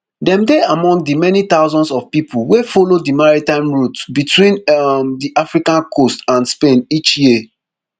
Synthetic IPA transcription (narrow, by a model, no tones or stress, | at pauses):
dɛ̃mdeamɔ̃ŋɡdɨmɛnit̪aʊzɔ̃ndsɔvpipulwefɔlodimaɹitãɪ̃mɹutbitwĩndiʔafɹikãnkʰostãnspẽnit͡ʃji